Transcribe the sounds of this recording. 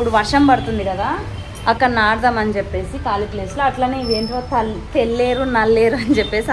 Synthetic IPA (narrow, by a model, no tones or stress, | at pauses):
pːuɽuʋɐɾʂɐmpɐɽut̪und̪ikɐd̪aː | ɐkːɐnaːɽɐd̪ɐmɐnit͡ʃepːe̞ːsikaːlipleːsloːɐʈlaːneiʋeːɳʈoːt̪ɐt̪elːeːɾunɐlːeːɾuɐnit͡ʃepːe̞ːsi